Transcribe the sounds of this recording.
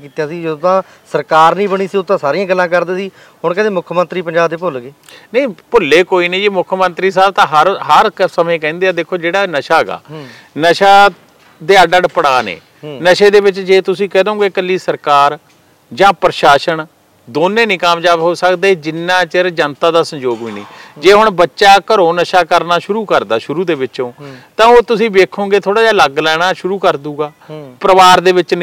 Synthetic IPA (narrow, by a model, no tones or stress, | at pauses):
kiːt̪jãːsiːd͡ʒet̪ãː | səɾkaːɾnĩːbəɽ̃iːsiːʊt̪ːãːsaːɾiːãːɡəlːãːkəɾd̪eːsiː | ɦʊɳkɛ̃ːt̪eːmʊkʰmə̃nt̪ɾiːpəɲd͡ʒaːb̚d̪eːpʊlɡeːnəĩːpʊlːeːkoːiːnĩːd͡ʒiːmʊkʰmənt̪ɾiːs̬aːbt̪ãːɦəɾɦəɾsəmẽːk̬ɛ̃ːnd̪eːaːd̪eːkʰoːd͡ʒeːɽaːnəʃaːɡa̰ː | nəʃaː | d̪eːəɖəɽpəɽaːnḛː | nəʃeːd̪eːbɪt͡ʃd͡ʒeːt̪ʊsĩːkɛːd̪eɦõːɡeːkəlːiːsəɾkaːɾ | d͡ʒãːpɾəʃaːʃəɳ | d̪oːnːẽːnĩːkamd͡ʒaːʋɦoːsəkd̪eːd͡ʒɪnːãːt͡ʃəɾd͡ʒənt̪aːd̪aːsəmd͡ʒoːɡʋiːnḭːd͡ʒeːɦʊɳbətːʃaːkəɾõːnəʃaːkəɾnaːʃʊɾuːkəɾd̪aːʃʊɾuːd̪eːʋɪt͡ʃõːt̪ãːoːt̪ʊsĩːbeːkʰõːɡeːt̪ʰoːɽaːd͡ʒaːləɡlɛːɽ̃aːʃʊɾuːkəɾd̪uːɡaːpɾəʋaːɾd̪eːʋɪt͡ʃn